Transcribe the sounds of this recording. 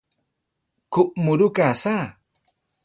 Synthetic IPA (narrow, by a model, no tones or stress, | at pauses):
kuʔmuɾukasa